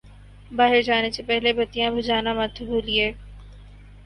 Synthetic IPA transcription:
baːɦɪɾd͡ʒaːnesepɛɦlebɐt̪ijãbʱʊd͡ʒaːnamɐt̪ʰbʱuːlieː

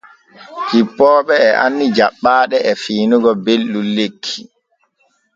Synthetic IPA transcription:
kipːɔːɓɛːʔa̰nːid͡ʒaɓːaːɗɛɛfiːnuɡɔbelːulːekʰːi̥

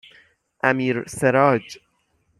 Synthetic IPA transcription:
ʔæmiːɾseɾɑːd͡ʒ

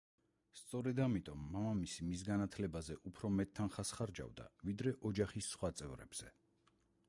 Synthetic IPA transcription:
st̪sʼɔɾɛd̪amit̪ʼɔmːamamisimisɡanat̪ʰlɛbazɛʔupʰɾɔmɛt̪ʰːanχasχaɾd͡ʒa̰vd̪a̰vid̪ɾɛʔɔd͡ʒaχisːχwat̪sʼɛvɾɛ̰bz̥ɛ

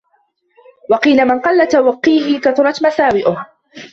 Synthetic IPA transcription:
wɑqiːlamɪnqɑlːat̪awaqːiːɦɪkaθʊɾˤɑt̪masaːwɪʔʊh

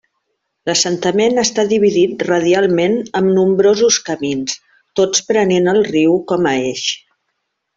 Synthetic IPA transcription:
ləsənt̪əmenəst̪aðiβ̞iðit̪rəð̞ialˠmenəmnumbɾozuskəmins | t̪ot͡spɾənenəlˠriwkɔməeʃ

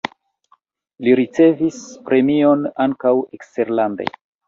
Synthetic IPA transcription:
liɾit͡se̞vispɾe̞mio̞naŋkawekste̞ɾlande̞̰

